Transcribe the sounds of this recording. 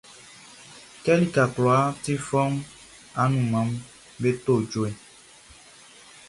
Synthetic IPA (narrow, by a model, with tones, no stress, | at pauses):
kɛ˦li˦ka˨klɔ˨a˦ti˦fɔ˦ŋ˦ | a˦nũ˨mã˨˦m̩˦ | be˦t̪o˦˨d͡ʒo˦ɛ˨